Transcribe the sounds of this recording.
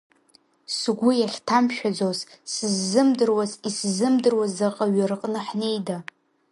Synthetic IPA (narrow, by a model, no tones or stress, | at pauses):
sɡʷʊjaχʲtʰamʃᶣad͡zozsɨzːɨmdɨrwaziszɨmdɨrwazaqʼaɥarɨqʼnɨħne̞jda